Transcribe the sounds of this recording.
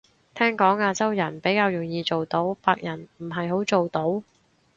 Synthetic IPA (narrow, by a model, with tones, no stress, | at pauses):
t̪ʰɛː˥ŋkɔː˨˥ŋaː˧t͡sɐ˥wjɐ˨˩npe˨˥jkaː˧wjʊ˨˩ŋjiː˧t͡so˨wt̪o˨˥wpaː˧k̚jɐ˨˩nm̩˨˩ɦɐ˨jɦo˨˥wt͡so˨wt̪o˨˥w